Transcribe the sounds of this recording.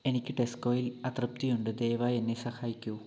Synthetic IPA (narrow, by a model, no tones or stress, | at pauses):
e̞nikʲːɨʈe̞sko̞ːjilɐt̪rɐp̚t̪ijuɳɖɨd̪e̞ːʋaːje̞nːesɐxaːjikʲːu